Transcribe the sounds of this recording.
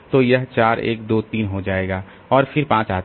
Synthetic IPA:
t̪ojɐɦt͡ʃaːɾḛːkd̪oːt̪iːnɦod͡ʒaːeːɡaː | ɔːɾfʰɪɾpãːt͡ʃaːt̪

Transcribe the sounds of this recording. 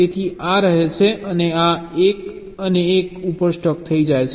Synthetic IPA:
et̪ʰiaɾəɦet͡ʃʰeʔəneaek | əneːkupəɾsʈɔkt̪ʰəid͡ʒajt͡ʃʰ

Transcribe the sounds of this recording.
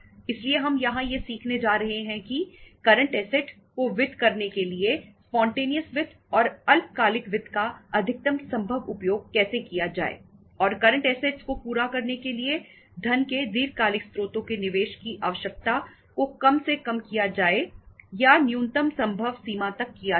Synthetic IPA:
ɪslieɦɐmjɐɦãjesiːkʰned͡ʒaːɾɐɦeɦɛ̃kikɐɾə̃ɳʈɛːseʈ | koʋɪd̪ʱkɐɾnekeliespɔ̃ːɳʈeːnijəsʋɪd̪ʰʱ | ɔːɾɐlp̚kaːlɪkʋɪd̪ʱkaɐd̪ʱɪk̚t̪əmsɐ̃mbʱəʋʊpjoːɡ̚kɛːsekijad͡ʒa̰ːḛː | ɔːɾkɐɾə̃ɳʈɛːseʈskopuːɾakɐɾnekelie | d̪ʱɐnked̪iːɾkaːlɪkst̪ɾoːt̪õkenɪʋeːʃkiʔa̰ːʋəʃjək̚t̪a | kokɐmsekɐmkijad͡ʒaːejanjuːnt̪əmsɐ̃mbʱəʋsiːmat̪ɐkːija

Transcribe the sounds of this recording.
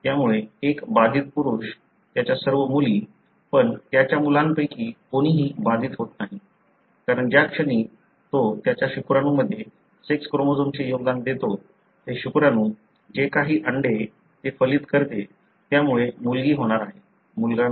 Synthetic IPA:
t̪jamuɭeekbad̪ʱit̪̚puɾuɕ | t̪jat͡ɕjasəɾʋəmuliː | pəɳt̪jat͡ɕjamulãnpəjkiːkoɽ̃iːɦiːbad̪ʱiːt̪ɦot̪naɦi | kaɾəɳd͡ʑjakʂəɽ̃iː | t̪ot̪jat͡ɕjaɕukɾanũːməd̪ʱːje | sekskɾomod͡zomt͡ɕejoɡd̪and̪et̪o | t̪eɕukɾanũː | d͡ʑekaɦiːʔəɳɖe | t̪efəliːt̪kəɾt̪e | t̪jamuɭemulɡiːɦoɽ̃aɾaɦe | mulɡa

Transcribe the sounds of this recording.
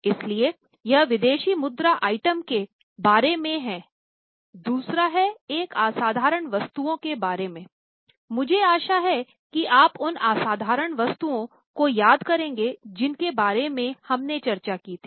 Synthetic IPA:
ɪslie | jɐɦʋɪd̪eːʃimʊd̪ɾaʔaːɪʈəmke | baːɾemẽɦɛ̃ː | d̪uːsɾaɦɛeːkaːsaːd̪ʱaːɾəɳʋɐst̪uõkebaːɾemẽː | mʊd͡ʒʱeaːʃaɦɛ | kiʔaːpʊnaːsaːd̪ʱaːɾəɽ̃ʋɐst̪uõ | kojaːd̪kɐɾẽːŋɡed͡ʒɪnkebaːɾemẽhɐmnet͡ʃɐɾt͡ʃakiːt̪ʰiː

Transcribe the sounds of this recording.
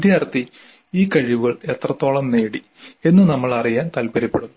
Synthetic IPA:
d̪jaːrt̪ːi | iːkɐɻiʋuɣɐɭet̪rɐt̪ːo̞ːɭɐmneːɽi | e̞nːɨnɐmːɐɭɐrijaːnt̪ɐlpɐɾipːeɽunːu

